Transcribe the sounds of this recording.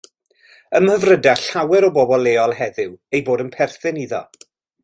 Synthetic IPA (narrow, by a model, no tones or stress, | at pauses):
əməvrədaɬawɛɾɔbɔbɔlˠeːɔlˠɦɛðɪwejboːdənpʰɛrθɪniðɔ̰